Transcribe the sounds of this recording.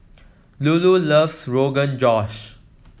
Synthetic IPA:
lululəvsɹoːɡə̃nd͡ʒɔʃ

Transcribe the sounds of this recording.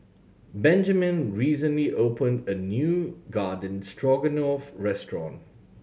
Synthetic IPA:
bɛ̃nd͡ʒəmɪ̃nɹiːsə̃nliʔoʊpə̃ndənjuːɡaːdⁿən̩stʰɹɔɡənɔfɹɛstɹɔ̰̃n

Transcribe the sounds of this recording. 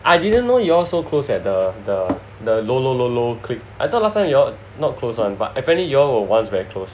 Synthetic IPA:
ʔaɪdidə̃nːojuɔsokʰlosɛt̚dədə | dəlolololokʰlip̚ʔaɪt̪ɔt̚lastãɪ̃mjɔ | nɔt̚kʰlosɔ̃nba̰tɛpɛ̃nlijɔwəwãnsvɛɹikʰlos

